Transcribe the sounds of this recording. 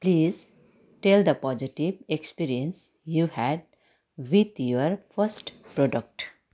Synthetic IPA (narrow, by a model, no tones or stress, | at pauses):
pliːz | ʈeld̪əpɔd͡ʒiʈiʋekspiːɾiə̃ns | juːhæɖ̚ | ʋid̪joəɾfəɾsʈpɾoːɖək̚ʈ